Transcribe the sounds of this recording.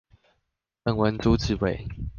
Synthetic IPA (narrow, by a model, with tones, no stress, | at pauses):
ə˥˨ŋwə˨˦nt͡su˦t͡s̩˥˨we˨˦